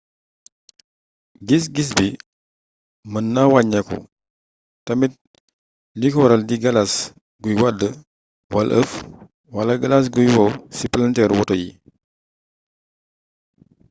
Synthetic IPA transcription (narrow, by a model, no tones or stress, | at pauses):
ɡis̬ɡis̬bi | mənːawaɲɐkṵ | tɐmit̚ | likɔɾɐldiɡɐlas | ɡujwadə | wɐlʔəf | wɐlɐɡɐlas̬ɡujwɔwsipɐlɐntɛɾwɔtɔjḭ